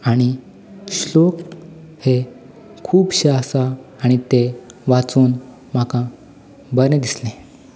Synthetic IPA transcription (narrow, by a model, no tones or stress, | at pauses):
aɽ̃i | ɕlok | he | kʰuːpɕasaːɽ̃it̪eʋat͡suːn | m̤akã | bəɾned̪islẽ